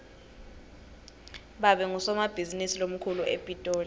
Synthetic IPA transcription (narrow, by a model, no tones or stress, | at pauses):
ɓaɓɛŋusɔmab̥ʱizinisilom̩kʰuluʔḛpʼitʼoːli